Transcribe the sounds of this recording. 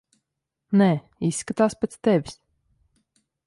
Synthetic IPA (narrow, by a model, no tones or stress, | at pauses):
nɛː | isːkat̪aːspʲɛt̪st̪ɛvʲis